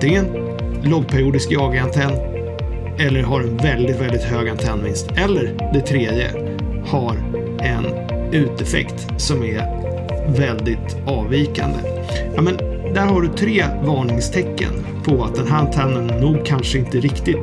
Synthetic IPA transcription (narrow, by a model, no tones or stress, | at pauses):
ɪɛɛn | lɔɡ̚pʰæɾɪuːd̪ɪskjɑːɡaant̪ʰɛnː | ɛlːəɾɦaɾɛnvɛld̪ɪt̪vɛld̪ɪt̪høːɡant̪ʰɛnːmɪnst̪ɛlːəɾd̪ɛt̪ʰɾeːd̪jə̰ | haɾ | ɛn | ʉ̟ːt̪ɛfɛ̰kt̪ | sɔmæɾ | vɛld̪ɪt̪ | ɑːviːka̰nd̪ə̰ | jɑmɛn | d̪æɾɦaɖɵt̪ʰɾeːvɑːɳɪŋst̪ʰɛkːə̰n | pʰɔat̪̚d̪ɛnɦæːɾant̪ʰɛnːənːuːɡkʰanʂəɪnt̪əɾɪkt̪ɪt̪